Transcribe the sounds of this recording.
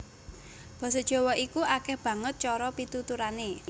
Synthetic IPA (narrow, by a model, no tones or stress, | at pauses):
b̥ɔ̤sɔd̥ʒ̥ɔ̤wɔʔikuʔakɛhb̥ä̤ŋət̪̚t͡ʃɔɾɔpit̪ut̪uɾane